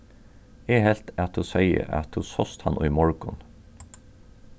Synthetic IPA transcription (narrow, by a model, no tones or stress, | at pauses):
eːhɛlt̪ʰæt̪ʰʊsœɪə̰ʔæ̰t̪ʰusɔst̪hɑnʔɔʏmɔɹɡʊn